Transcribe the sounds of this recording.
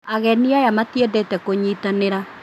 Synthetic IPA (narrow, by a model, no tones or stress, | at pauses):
aɣɛniajamatjedetɛkoɲiːtaneɾa